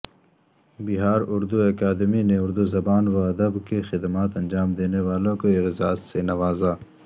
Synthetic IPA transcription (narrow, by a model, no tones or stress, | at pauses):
bɪɦaːɾʊɾd̪uɐkaːd̪ɪmineʊɾd̪uzɐbaːnwaɐd̪ɐbkexɪd̪maːt̪ɐ̃nd͡ʒaːmd̪eːnewaːlõkoɪɣzaːssenɐʋaːza